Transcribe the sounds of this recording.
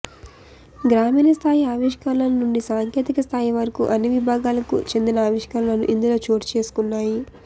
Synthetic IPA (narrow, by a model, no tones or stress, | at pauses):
ɡɾaːmiːnɐst̪ʰaːjiaːʋiʃkaːlɐnnuɳɖisaːŋkje̞ːt̪ikɐst̪ʰaːjiʋɐɾɐkṵʔɐnːiʋibʱaːɡaːlɐkṵt͡ʃe̞nd̪inɐaːʋiʂkanɐlɐnuʔind̪ulo̞ːt͡ʃo̞ːɾt͡ʃeːsu̥kunːaːji